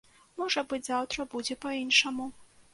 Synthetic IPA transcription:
mɔʐɐbɨd͡zʲzawt̪ɾɐbud͡zʲɛpɐinʂɐmu

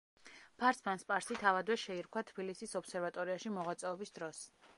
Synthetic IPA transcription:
pʰaɾsmanspʼaɾsit̪ʰavad̪wɛʃɛiɾkʰwat̪ʰb̥ilisisɔpsɛɾvat̪ʼɔɾiaʃimɔʁwat̪sʼɛɔbisd̪ɾɔs

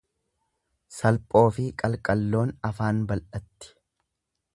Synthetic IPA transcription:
sɐlpʼo̞ːfɪkʼɐlkʼɐlːo̞ːnɐfaːnbɐlʔɐt̪ːɪ̥

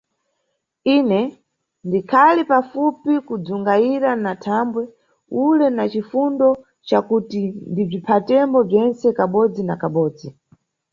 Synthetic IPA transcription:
inɛ | ndikʰalipafupikud͡zuŋɡaiɾanatʰambwɛ | ulɛnat͡ʃifundɔ | t͡ʃakutindib͡ʐipʰatɛmbɔb͡ʐɛnsɛkaɓɔd͡zinakaɓɔːd͡zi

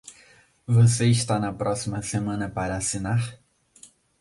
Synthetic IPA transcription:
voseiʃt̪anɐpɾʔɔsimɐsemɐ̃nɐpaɾɐːsinaɾ

